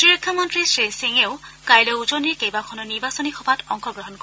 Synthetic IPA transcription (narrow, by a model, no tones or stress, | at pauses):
tɹiɹɔkʰːamɔntɹisɹiseŋeʊkajlɔuzoniɹkejbakʰɔnɔniɹbasɔnixɔbʱatɔŋxɔɡɹɔɦɔnkɔ